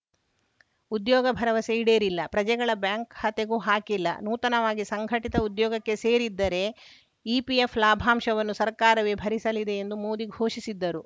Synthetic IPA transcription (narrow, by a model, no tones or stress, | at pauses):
ud̪jɔːɡɐbʱɐɾɐʋɐseiɽeːɾilːɐpɾɐd͡ʒɛɡɐɭɐbjaːŋkhɐt̪eɡuːɦaːkilːɐ̰nuːt̪ɐnɐʋaːɡisɐŋɡʱɐʈit̪ɐud̪jɔːɡɐkːe̞seːɾid̪ːɐɾe̞ | ipiefʰlaːbʱaːmʃɐʋɐnːusɐɾkaːɾɐʋebʱɐɾisɐlid̪e̞ːnd̪umoːd̪iɡʱoːʃisid̪ːɐɾu